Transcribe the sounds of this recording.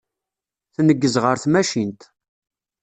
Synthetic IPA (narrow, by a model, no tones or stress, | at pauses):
θnəɡːəzʁəɾθmæʃint̪